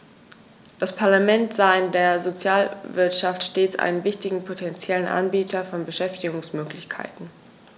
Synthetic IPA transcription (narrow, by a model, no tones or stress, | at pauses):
d̥aspʰaɐlamɛntz̥aːɪndeːɐzot͡sjaːlvɪɐtʃaftʃteːt͡sʔa̰ɪnənvɪçtɪɡŋ̩pʰotʰɛnt͡sjɛlənʔa̰nbiːtʰɐfɔnbəʃɛftɪɡʊŋsmøːklɪçkʰa̰ɪtn̩